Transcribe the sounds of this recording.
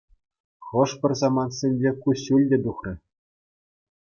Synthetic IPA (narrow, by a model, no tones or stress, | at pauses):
χɤ̆ʂpʲɘ̆rʲzɑmɑnt̪sʲĕnʲbʲekuɕʲːulʲdʲɘ̆d̪uχrʲɘ̆